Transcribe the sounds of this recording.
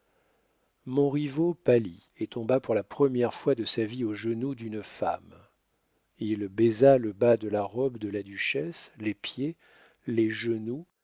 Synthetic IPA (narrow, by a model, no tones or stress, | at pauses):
mɔ̃ʁivopali | et̪ɔ̃bapuʁlapχəmjɛʁfwad̪əsavioʒənud̪ynfa̰m | ilbezaləbad̪əlaʁɔbd̪əlad̪yʃɛslepje | leʒənu